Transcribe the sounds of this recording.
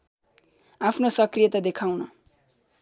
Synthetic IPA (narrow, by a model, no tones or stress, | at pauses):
apʰnosʌkrijʌt̪ad̪ekʰawnʌ